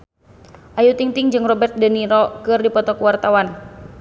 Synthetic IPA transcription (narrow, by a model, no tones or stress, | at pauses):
ʔajut̪iŋt̪iŋd͡ʒɨŋrɔbɛrt̪̚dəniɾɔkɨrdipɔt̪ɔkuwart̪awan